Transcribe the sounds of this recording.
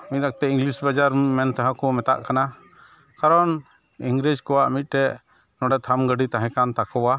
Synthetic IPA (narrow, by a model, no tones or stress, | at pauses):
mit̪̚ˀɾak̚t̪ɛiŋlisbad͡ʒaɾmɛnt̪aɦãkɔmɛt̪a̰ʔkana | kaɾɔn | iŋɡɾid͡ʒkɔwaʔmit̪̚ˀtɛʔ | nɔɖɛt̪ʰamɡəɖit̪aɦɛ̃kant̪akɔwa